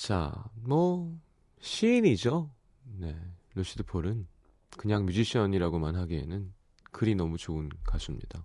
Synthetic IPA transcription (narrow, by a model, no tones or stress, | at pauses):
t͡ɕa̰mwʌ | ɕʰiːnid͡ʑo | ne̞loɕ͈ʰidɯpʰoɾɯn | kɯɲaŋmjud͡ʑiɕʰʌɲiɾaɡomanɦaɡiḛnɯn | kɯɾinʌmut͡ɕoɯnkasʰumɲḭd̥a